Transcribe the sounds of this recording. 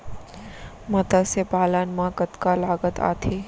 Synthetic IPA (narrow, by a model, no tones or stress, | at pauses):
mɐt̪asepaːlaːnmãːkət̪kalaːɡət̪a̰ːt̪ʰiː